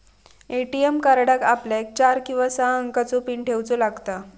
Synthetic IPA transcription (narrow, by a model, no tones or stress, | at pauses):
eʈiemkaɾɽakapljak̚t͡ɕaɾkĩw̃ʋasaəŋkat͡sopiːɳʈʰewt͡solaɡt̪a